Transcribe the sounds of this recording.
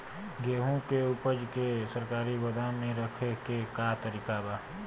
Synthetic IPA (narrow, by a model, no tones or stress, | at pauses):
ɡeːɦõkeʊpəd͡ʒkesəɾkaːɾibɐd̪ʱamẽɾɐkʰekekat̪əɾiːkabaː